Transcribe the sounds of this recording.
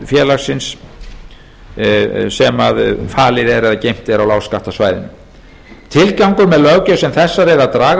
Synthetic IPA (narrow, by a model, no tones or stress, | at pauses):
fjɛːlasɪns | sɛmaðfaːlɪðɛɾɛðacejm̥t̪ɛɾawlaːwskaht̪asvaːjðɪn | t̪ʰɪlkawŋkʏɾmɛðlœɣcœsɛmθɛsːaɾɛðaðt̪ɾaːɣ